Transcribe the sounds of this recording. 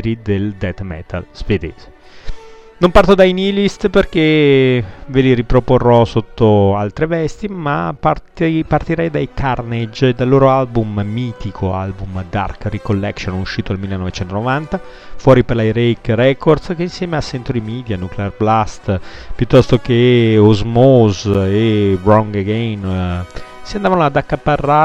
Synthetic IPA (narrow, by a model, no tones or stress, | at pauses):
ɾid̪eld̪ɛt̪mɛ̰t̪ʰa̰lz̥ved̪ḛːze | nompart̪od̪ainilist̪perke | veliɾipɾoporːɔsot̪ːoalt̪ɾevɛst̪imapat̪part̪iɾɛjd̪ajkarned͡ʒed̪alːoːɾoalbumːiːt̪ikʰoa̰lbumd̪a̰rkrikolːɛksonuʃːiːt̪oalmilːenːɔvet͡ʃɛnt̪onovant̪a | fwɔːɾiperlajɾejkɾɛkord̪skeinsjɛːmeasːɛnt̪ɾod̪imiːd̪januklearblast̪pjut̪ːɔst̪okeozmozerɔŋɡeɡɛn | siand̪aːvanoad̪akːapːarːa